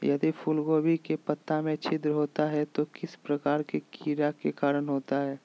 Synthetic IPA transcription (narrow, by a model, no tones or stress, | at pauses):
jɐd̪ipʰulɡoːbʱikepɐt̪ːamẽt͡ʃʰɪd̪ɾəɦoːt̪aɦɛt̪okɪspɾɐkaːɾkekʰiːɾakekaːɾənɦoːt̪aɦɛː